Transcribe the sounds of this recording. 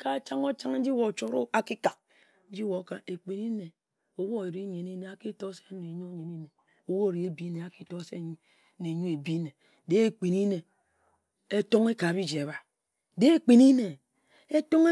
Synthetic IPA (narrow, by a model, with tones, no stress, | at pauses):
ka˦˨t͡ʃa˦ŋo˦t͡ʃa˦ŋn̩˦d͡ʒi˦wo˨t͡ʃo˦ɾo˦a˨ki˦ka˨k̚ | n̩˦d͡ʒi˦wo˨˦ka˦e˨k͡pi˨ni˦ne˨ | o˨˦wo˦e˨ɾi˦ɲe˨ni˦ne˨a˨ki˦to˦se̥˦ne˨ɲo˦ɲe˨ni˦ne˨ | o˦wo˦˨ɾi˨˦e˦bi˦ne˨a˨ki˦to˦se˦ɲ˦ | ne˨ɲo˦e˨bi˦ne˨˦ | de˦e˦k͡pi˨ni˦ne˨ | e˦to˦ŋe˦ka˨bi˦d͡ʒe˨a˨βa˨ | de˦e˦˨k͡pi˨ni˦ne˨ | e˦to˦ŋe˦